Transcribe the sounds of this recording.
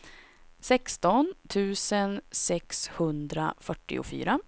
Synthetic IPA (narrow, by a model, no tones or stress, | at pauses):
sɛkst̪ɔnt̪ʰʉ̟ːsənsɛkshɵnd̪ɾa̰fœʈːɪ̰ʊ̰fy̰ːɾa